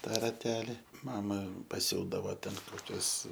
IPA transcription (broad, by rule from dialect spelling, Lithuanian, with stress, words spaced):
ˈtɑː rɐˈtʲæːlʲɪ ˈmɑːmɐ pɐˈsʲuːdɐʋoː ˈtʲɛn koːˈkʲʊs